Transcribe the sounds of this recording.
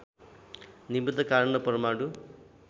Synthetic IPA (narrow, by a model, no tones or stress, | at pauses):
nibud̪ʱːɐkaːɾɐɳɐpɐɾɐmaːɽu